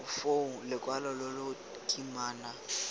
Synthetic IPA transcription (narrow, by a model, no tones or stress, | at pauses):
foŋ̩lɪkʼwalɔlɔlo | kʼimaːna